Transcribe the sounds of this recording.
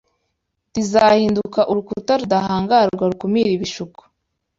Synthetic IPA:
tizahiːndukaʔuɾukutaɾudahaːŋɡaɾɡwaɾukumiɾiβiʃuku̥

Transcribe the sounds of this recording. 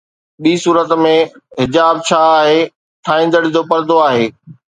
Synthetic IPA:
ɓiːsuːɾət̪mẽɦɪd͡ʑaːb̚t͡ɕʰaːaːɦeː | t̪ʰaːĩːnd̪əɽɪd͡ʑopɐɾd̪oaːɦeː

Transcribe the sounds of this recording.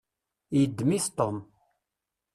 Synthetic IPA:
jəd̪ːmiθt̪ˤom

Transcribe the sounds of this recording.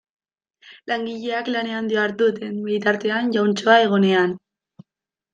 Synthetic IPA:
laŋɡiʎe̞aklane̞and̪ioaɾt̪ut̪enbijt̪aɾt̪e̞anʝawnt͡so̞ae̞ɣ̞one̞an

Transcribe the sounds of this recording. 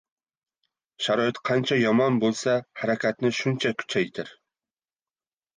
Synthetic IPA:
ʃaɾɒɪt̪qʰɑnt͡ʃʰajɒmɒnbolˠsahaɾakʲʰat̪nɪʃʊnt͡ʃʰakʰʊ̥t͡ʃʰajt̪ʰɪɾ

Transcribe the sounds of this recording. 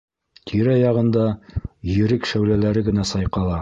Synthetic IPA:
t̪ʰiɾæjɑʁɤ̆nd̪ɑjɘ̆ɾɘkʃæwlælæɾɘɡɘ̆næsɑjqɑlˠɑ

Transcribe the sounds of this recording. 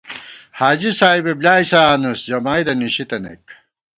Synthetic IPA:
haːd͡ʑisaːjbeblʲaːjsaːnusd͡ʑɐmaːjd̪ɐniɕit̪ɐnḛk

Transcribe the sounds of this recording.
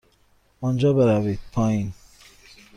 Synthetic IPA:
ɔ̃nd͡ʒɔːbeɾavid̪̚pʰɔĩn

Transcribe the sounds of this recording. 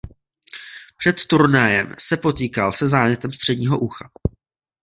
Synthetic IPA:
pr̝̥ɛt̪ːuɾnajɛ̰msɛpo̞t̪iːkalsɛzaːɲɛt̪ɛmst̪r̝̥ɛdɲiːɦo̞ʔuxa

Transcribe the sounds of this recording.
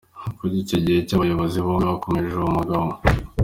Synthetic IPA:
kuɾiːcoɟihe̞caβajo̞βo̞ziβomiβako̞meɾeʒomumuɡaβo

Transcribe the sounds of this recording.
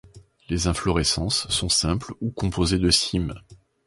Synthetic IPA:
lezɛ̃flɔʁesɑ̃sːɔ̃sɛ̃plukɔ̃pʰozed̪əsim

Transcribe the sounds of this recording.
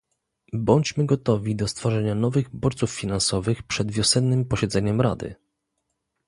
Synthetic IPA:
bɔɲt͡ɕmɘɡɔt̪ɔvʲid̪ɔst̪fɔʐɛɲanɔvɘɣbɔɾt̪suffʲinansɔvɘxpʂɛd̪vʲjɔsɛnːɘmpɔɕɛd̪zɛɲɛmɾa̰d̪ɘ̰

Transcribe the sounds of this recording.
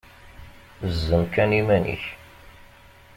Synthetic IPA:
zːəmkænimænḭç

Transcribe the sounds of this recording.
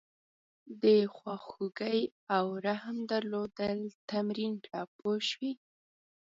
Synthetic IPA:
d̪əxwɑxuɡəj | awɾahmd̪aɾlod̪əlt̪amɾinʈʰɑpʰoʃwi

